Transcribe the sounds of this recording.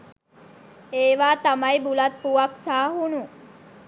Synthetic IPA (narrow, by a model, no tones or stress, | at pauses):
eːʋaːt̪amɐjbulat̪̚puʋaksaːɦunu